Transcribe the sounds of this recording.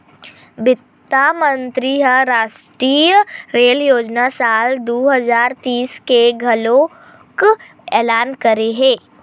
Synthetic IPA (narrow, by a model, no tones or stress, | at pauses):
bɪt̪ːamə̃nt̪ɾiɦəɾaːʃʈɾiːjɾeːljoːd͡ʒnasaːld̪oːɦəzaːɾt̪iːskeɡʱɐlõ | k | ɛːlaːnkəɾeɦɛ̃ː